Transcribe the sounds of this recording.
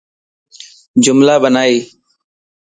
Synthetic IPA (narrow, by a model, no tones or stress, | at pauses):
d͡ʒʊmlaːbənaːiː